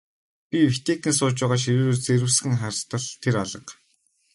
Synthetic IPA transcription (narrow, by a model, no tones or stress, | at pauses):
pʲiwit̪eːk̪ĭnsʊːt͡ɕpæːʁaːʃ̬iɾuːɾoːrt͡seɾɘ̆wsxɘ̆ŋχarst̪ə̆ɮt̪ʰeɾaɮə̆q